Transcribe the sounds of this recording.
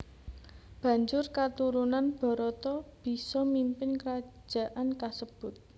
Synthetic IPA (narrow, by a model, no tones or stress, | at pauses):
b̥ä̤ɲd͡ʒʊrkat̪uɾunanb̥ɔ̤ɾɔt̪ɔb̥i̤sɔmimpɪnkəɾḁd͡ʒʒ̥a̤ʔankasəb̥ʊt̪̚